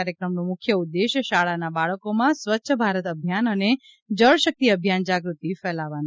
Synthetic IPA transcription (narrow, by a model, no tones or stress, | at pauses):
aɾjəkɾəmnumʊkʰjəud̪ːeʃəʃaɭanabaɭəkomãsʋətːʃʰəbʱaɾət̪əbʱjanəne | d͡ʒəɭʃək̚t̪iəbʱjand͡ʒaɡɾut̪ifɛlaʋanu